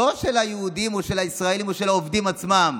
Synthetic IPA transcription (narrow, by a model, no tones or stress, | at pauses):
oʃelhajeudimoʃe̞lhaisʁae̞limoʃe̞laovdimat͡smam